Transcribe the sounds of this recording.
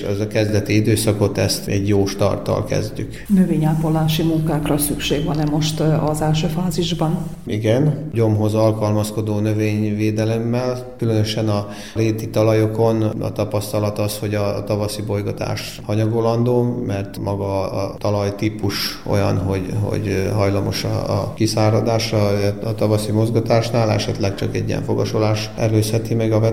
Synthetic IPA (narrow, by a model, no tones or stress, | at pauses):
ɛzɒkɛzd̪ɛt̪iid̪øːsɒko̞t̪ɛst̪ɛɟjoːʃt̪ɒ̰rt̪ɒ̰lkɛ̰zɟy̰knøveːɲaːpolːaːʃimuŋkaːkrɒsykʃeːɡʋɒnɛmo̞ʃt̪ɒzɛlʃøːfaːziʒbɒn | iɡɛnɟo̞mɦo̞zɒlkɒlmɒsko̞d̪oːnøveːɲveːd̪ɛlɛmːɛlkylønøʃɛnɒ | ɾeːt̪it̪ɒlɒjoko̞nɒ̰t̪ɒpɒst̪ɒlɒt̪ɒsho̞ɟɒt̪ɒvɒsibo̞jɡɒt̪a̰ːʃ | hɒɲɒɡolɒnd̪oːmɛrt̪mʔɒɡɒ̰ːt̪ɒlɒjt̪iːpuʃʔo̞̰jɒ̰nɦo̞ɟɦo̰ɟɦɒjlɒmo̞ʃɒ̰kisaːɾɒd̪aːʃɒɒt̪ɒvɒsimo̞zɡɒt̪aːʃnaːlɛ̰ʃɛt̪lɛkt͡ʃɒkɛ̰ɟḭjɛ̰ɱfo̰ɡɒʃolaːʃ | ɛløːshɛt̪imɛɡɒvɛ